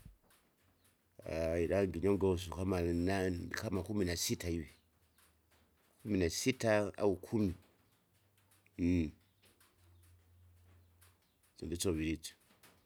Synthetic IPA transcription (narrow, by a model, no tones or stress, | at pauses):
a̰iɗaŋɡiɲoŋɡaus̬ukamanakamakuminasitaiwi | kuminasitaa̰ukʰumi | zḭndit͡soβiɾit͡su̥